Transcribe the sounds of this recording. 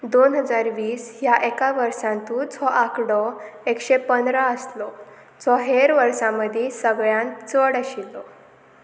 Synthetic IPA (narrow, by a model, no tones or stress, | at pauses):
d̪onɦəd͡zaɾʋiːsjaʔekaʋəɾsãnt̪uːt͡sʰɔʔakɽɔekɕepənd̪ɾaəslɔ | t͡sʰɔɦeɾʋəɾsãməd̪ʱisəɡɭjãnt͡səɽəɕilːɔ